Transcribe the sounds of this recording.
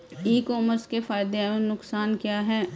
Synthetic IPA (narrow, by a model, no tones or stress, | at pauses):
iːkɔːməɾskefaːɪd̪eenʊksaːnkjaːɦɛː